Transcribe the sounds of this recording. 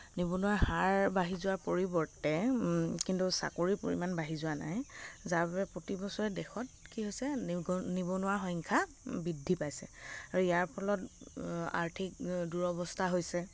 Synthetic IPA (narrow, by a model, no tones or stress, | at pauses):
nibɔnʊwaɹhaɹbaɦizʊwaɹpoɹibɔɹtɛkintusa̰koɹipo̰ɹḭmanbaɦizʊana̰jzaɹbapɛpɹotibɔsɔɹɛdɛxɔt̚kiɦojsɛnibɔnʊwaɹɦɔŋkʰa | bidʱːipajsɛ̰aɹuijaɹpʰɔlɔt | a̰ɹtʰik̚duɹɔbɔstʰaɦojsɛ